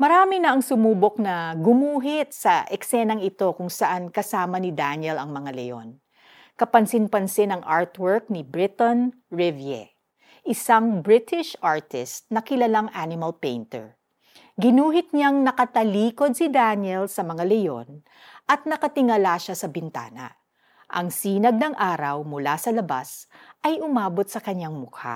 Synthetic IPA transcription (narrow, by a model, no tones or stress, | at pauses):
mɐɾaːmɪnɐʔɐŋsʊmuːbok̚nɐɡʊmuːɦɪt̪̚sɐʔɛksɛnɐŋɪt̪o̞kʊŋsɐʔankɐsaːmɐnɪd̪anjɛlɐŋmɐŋalɛ̰jo̰n | kɐpɐnsɪnpɐnsɪnɐŋʔaɹt̪wɛɹk̚nɪbɹɪt̪onɹɪvjɛ̰ | ʔɪsaŋbɹɪt̪ɪʃʔaɹt̪ɪst̪̚nɐkɪlɐlaŋʔanɪmɐlpejnt̪ɛ̰ɹ | ɡɪnuːɦɪt̪̚ɲaŋnɐkɐt̪ɐliːko̞d̪̚sid̪anɛlsɐmɐŋalɛjo̞̰n | ʔɐt̪̚nɐkɐt̪ɪŋɐlaʃasɐbɪnt̪a̰ːnɐ̰ | ʔɐ̰ŋsiːnɐɡ̚nɐŋʔaːɾɐwmʊlasɐlɐba̰sʔɐjʔʊmaːbo̞t̪̚sɐkɐɲːaŋmʊkʰa̰